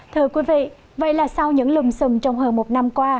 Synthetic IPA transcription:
t̪ʰɨ˧əkwi˨˦vḭ˧˨ | və̰˧˨jlaː˨˩sa˧wɲɨ̰˧˥ŋlɨ˨˩ŋ͡msɨ˨˩ŋŋ͡mt͡ɕɔ˧wŋ͡mɦəː˧nmo˨˩t̚na˧mkwaː˧

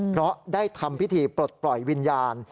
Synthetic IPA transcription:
pʰɾɔ˦˥ʔdaː˥˩jt̪ʰa˧mpʰi˦˥t̪ʰiː˧pɾo˨˩t̪̚plɔ˨˩jwi˧njaː˧n

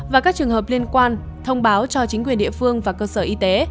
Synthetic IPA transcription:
vaː˨˩kaː˦˥k̚t͡ɕɨ˨˩əŋɦəː˨˩p̚li˧ənkwaː˧n | t̪ʰə˧wŋ͡mɓaː˨˦wt͡ɕɔ˧t͡ɕï˨˦ŋ̟kwi˨˩ənɗḭ˧˨əfɨ˧əŋvaː˨˩kəː˧səː˧˩ʔi˧t̪e˨˦

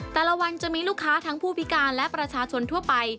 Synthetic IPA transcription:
t̪ɛː˨˩la˧wa˧nt͡ɕa˨˩miː˧luː˥˩kʰːaː˦˥t̪ʰa˦˥ŋpʰuː˥˩pʰi˦˥kaː˧nlɛ˦˥pɾa˧t͡ɕʰaː˧t͡ɕʰo˧nt̪ʰu˥˩ɐpa˧j

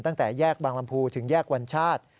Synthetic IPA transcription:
nt̪a˥˩ŋt̪ɛː˨˩jɛː˥˩k̚baː˧ŋla˧mpʰuː˧t̪ʰɯ˩˦ŋjɛː˥˩k̚wa˧nt͡ɕʰaː˥˩t̪̚

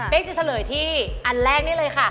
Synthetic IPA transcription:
pe˦˥k̚t͡ɕa˨˩t͡ɕʰa˧lɤː˨˩˦jt̪ʰiː˥˩ʔa˧nlɛː˥˩ŋ̚niː˦˥˩lɤː˧jkʰa˥˩

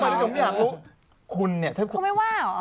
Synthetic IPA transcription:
maː˧˩˥jaː˨˩k̚lu˦˥ | kʰu˧nːi˥˩ɐt̪ʰa˥˩kʰu˥˩ma˥˩jwaː˥˩

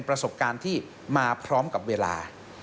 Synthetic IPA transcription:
npɾa˧so˨˩p̚kaː˧nt̪ʰiː˥˩ | maː˧pʰɾɔː˦˥mka˨˩p̚weː˧la̰ː˧

